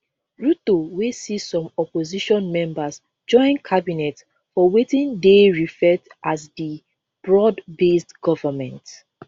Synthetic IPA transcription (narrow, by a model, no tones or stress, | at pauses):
ɹutowesisɔ̃mɔpoziʃɔ̃nmɛ̃mbas | d͡ʒɔ̃ɪ̃nkʰabinɛt | fɔwetĩndeɹifɛtʔazdi | b̥ɹɔdbestɡ̥ɔvəmɛ̃nt